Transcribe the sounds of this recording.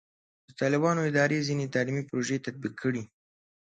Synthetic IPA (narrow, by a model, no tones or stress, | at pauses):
d̪ət̪ɑlɪbɑnoɪd̪ɑɾezinet̪alimipɾoʒet̪ad̪̚biqʰːəɽi